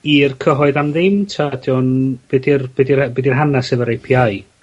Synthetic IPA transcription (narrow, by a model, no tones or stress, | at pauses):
iːrkʰəɦɔɨðamðɪmtʰadjɔnb̥ɨdɪrb̥ɛdirbɛdirɦanasɛvəɾejpʰiaj